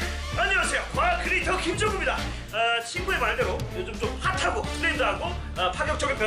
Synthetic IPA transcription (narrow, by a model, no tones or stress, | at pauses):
aɲiwasʰe̞jokajkɯɾitʰʌkʰip̚t͡ɕ͈ʰoɡɯmɲida | ʌɕʰinɡue̞maɭdeɾojod͡ʑɯmt͡ɕomɸatʰaɡosʰɯtendaɦaɡo | ʌpʰaɡjʌk̚t͡ɕ͈ʌɡepjʌ